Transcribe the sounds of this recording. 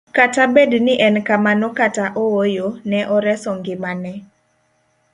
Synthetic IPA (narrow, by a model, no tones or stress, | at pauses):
katabednɪʔɛnkamanokataʔowojonɛʔɔɾɛsɔŋɡɪmanɛ